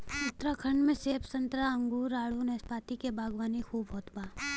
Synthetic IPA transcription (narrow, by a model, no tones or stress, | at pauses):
ʊt̪ɾakʰəɳɖmẽseːpsɐ̃nt̪ɾaɐ̃ŋɡuːɾaːɽunɛːspaːt̪ikebʱaːɡʋaːnikʰuːbɦɔːt̪baː